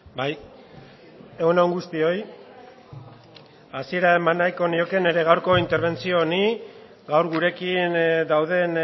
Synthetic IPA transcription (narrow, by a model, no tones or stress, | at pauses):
baj | eunawŋɡust̪io̞j | asie̞ɾae̞manːajko̞nio̞ke̞ne̞ɾe̞ɣawɾko̞int̪e̞ɾβ̞e̞nt͡sio̞ːni | ɡawɾɣuɾe̞kind̪awðe̞n